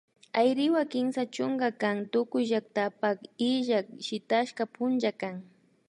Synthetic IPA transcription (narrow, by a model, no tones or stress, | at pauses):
ajɾɪwakɪmsat͡ʃʊŋɡakaŋt̪ʊkʊjʒak̚t̪apakɪʒakʃɪt̪aʃkapʊnt͡ʃakaŋ